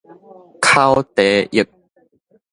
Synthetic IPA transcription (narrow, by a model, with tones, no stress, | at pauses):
kʰa˦wt̪e˨˦ʔi˨˩k̚